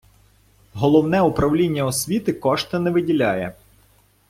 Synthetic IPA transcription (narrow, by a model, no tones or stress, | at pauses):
ɦɔlˠɔwnɛupɾɐwlʲinʲːɐɔsʲʋʲit̪ɪkɔʃt̪ɐnɛʋɪdʲilʲajɛ